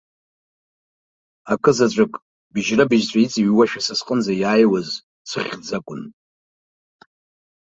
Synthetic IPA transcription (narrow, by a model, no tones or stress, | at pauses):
akʰʼɨzat͡ɕʷʼakʼ | bɪʒrabɪʒt͡ɕʷʼait͡sʼiɥwaʃᶣasasqʼənzajaːjwaz | t͡sʰɨʁʲd͡zakʷʼʊn